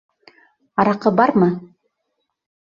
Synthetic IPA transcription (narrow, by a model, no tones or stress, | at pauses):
ɑɾɑqɤbɑɾmɤ